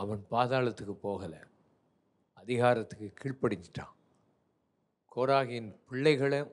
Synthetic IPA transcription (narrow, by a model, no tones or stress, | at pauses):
ɐʋɐnpaːðaːɭɐt̪ːɯkːɯpːoːɣɐlɐ̰ | ɐðɪɣaːɾɐt̪ːɯ̥kːɯkːiːɭpɐɽɪɲd͡ʒɪʈrã̰ː | kʰoːɾaːɣɐjɪnpɪɭːɐɪɣɐɭɐ